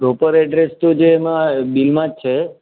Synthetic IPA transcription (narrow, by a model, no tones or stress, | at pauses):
pɾopəɾɛɖɾest̪od͡ʒeːmãbilmãd͡ʒt͡ʃʰe